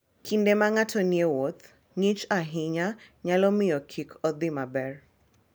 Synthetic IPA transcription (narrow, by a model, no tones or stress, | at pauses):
kʰindɛmaŋatʰɔniewɔt̪ | ŋit͡ʃaɦiɲaɲalɔmɪjɔkʰikʰɔd̪imabɛr